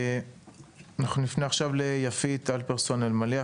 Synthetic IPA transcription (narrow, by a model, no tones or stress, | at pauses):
anaχnunifneaχʃavlejafit̪alpeʁsonelmalea